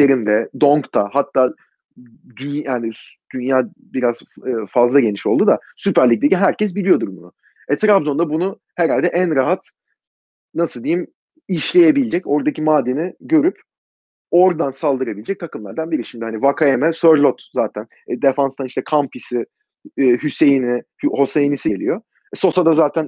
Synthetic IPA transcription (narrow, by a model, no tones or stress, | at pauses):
eɾimd̪ɛd̪o̞ŋkt̪ʰahat̪ʰːaː | d̪yjaːnid̪̥ynjaː | biɾazfazlˠaɟe̞niʃo̞lˠd̪ud̪asypæɾlʲic̚d̪eciɦæɾcʰɛs̬bilʲijo̞d̪uɾbunʊ̰ | ɛt̪ʰɾabzo̞nd̪abunʊ | heɾalʲd̪ɛʔænɾaɦat̪ | nasɯlˠd̪ijim | iʃlʲe̞jebilʲd͡ʒɛco̞ɾd̪acʰimaːd̪eniɟø̞ɾyp | o̞ɾd̪ansalˠd̪ɯɾabilʲd͡ʒɛc̚t̪ʰakɯmlˠaɾd̪anbiɾiʃimd̪ihanivakʰajemɛsøɾlʲˠot̪zaːt̪ʰæn | d̪efanst̪ʰaniʃt̪ʰɛkʰampʰisɪː | hyse̞jinɪhho̞sejinisiɟelʲijo̞ | ɛso̞sad̪azaːt̪ʰæn